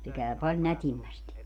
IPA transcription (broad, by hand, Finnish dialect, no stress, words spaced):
se kæˑy pɑlʲ nætimːæsti